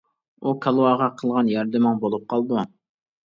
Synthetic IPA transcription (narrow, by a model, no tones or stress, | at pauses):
ukʰɑlˠwɑʁɑqʰəlˠʁɑnjɑɾd̪ɪmɪŋbolˠup̚qʰɑlˠd̪u